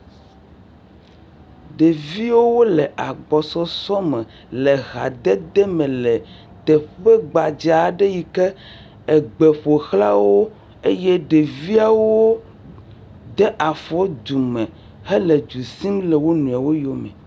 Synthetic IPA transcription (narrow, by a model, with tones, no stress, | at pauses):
ɖe˨vi˦wo˦wo˦lɛ˨ʔa˨ɡ͡bɔ˨sɔ˦sɔ˦mɛ̃˨ | lɛ˨ɣa̰˨d̪ɛ˦d̪ɛ˦mɛ̃˨lɛ˨ | t̪ɛ˨ɸɛ˦ɡ͡ba˨d͡ʒa˨ɖɛ˦ji˨kɛ˦ | ɛ˨ɡ͡bɛ˨ɸo˨xla˦wo˦ | e˦jɛ˦ɖe˨vi˦a˦wo˦ | d̪ɛ˦ʔa˨fɔ˦d̪u˨mɛ̃˨ | hɛ˦lɛ˨d͡ʒu˨si˦mlɛ˨wo˦nũ˨a˨wo˦jɔ˦mɛ̰̃˨